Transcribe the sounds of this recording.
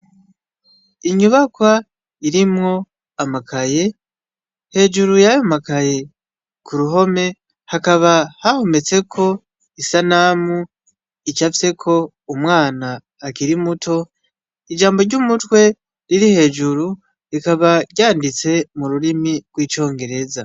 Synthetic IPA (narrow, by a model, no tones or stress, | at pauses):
iɲuβakwa | iɾimŋo̞ | amakaje̞ | he̞ːd͡ʒuɾujajomakaje̞ | kuɾuɦo̞me̞ | hakaβahahome̞t͡se̞kʰo̞ | isanaːmu | it͡ʃafise̞kʰo̞ | umwaːnaː | kiɾimutʰo̞ | id͡ʒaːmbo̞ɾɟumutwe̞ | ɾiɾihe̞ːd͡ʒuɾu | ɾikaβaɟaːndit͡se̞muɾuɾimiɡ̥wiːt͡ʃo̞ːŋɡe̞ɾe̞za